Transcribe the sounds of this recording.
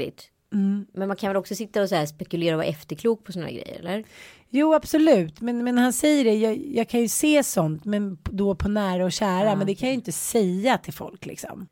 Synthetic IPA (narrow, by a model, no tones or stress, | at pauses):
ɪ̰t̪̩ː | mɛnmankʰanvɛlɔksɔsɪt̪ːaɔsaæːspɛkɵleːɾaɔva̰ːʔɛft̪əɾkʰluːk̚pʰɔsɔnahæ̰ɡɾɛ̰jːə̰ɾɛ̰lːəɾ | juːab̥sɔlʉ̟ːt̪mɛnmɛnhansɛjːəɖɛjɑːjɑːɡ̚kʰanjɵseːsɔnt̪mɛnd̪ɔpʰɔnæːɾaɔɕæːɾamɛnd̪ɛkʰanjajʏɪnt̪əsɛjːat̪ʰɪlfɔ̰lklɪ̰ksɔ̰m